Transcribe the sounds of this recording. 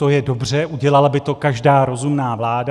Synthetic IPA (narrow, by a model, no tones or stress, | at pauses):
t̪o̞jɛdo̞br̝ɛʔuɟɛlalabɪt̪o̞kaʒdaːɾo̞zumnaːvlaːda